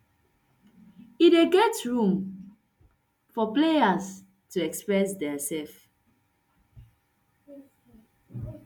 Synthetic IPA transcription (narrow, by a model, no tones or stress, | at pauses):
ieɡɛtɹũm | fɔplejas | tuɛkspɹɛsdɛsɛlf